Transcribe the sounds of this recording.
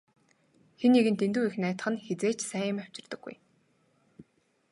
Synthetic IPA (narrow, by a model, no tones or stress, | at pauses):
xeniɣɘ̆nt̪ent̪uːixnæːt̪̆χə̆nxet͡seːt͡ɕsæːjə̆maw̥t͡ɕɪ̆rt̪ə̆ɡːṵj